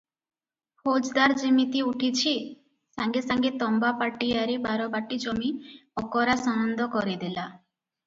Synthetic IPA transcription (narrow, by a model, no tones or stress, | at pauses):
hod͡ʒd̪aɾd͡ʒimit̪iuʈʰit͡ʃʰi | saŋɡesaŋɡet̪ɔmbapaʈijaɾebaɾɔbaʈid͡ʒɔmiɔkɔɾasɔnɔnd̪ʱɔkɔɾid̪ila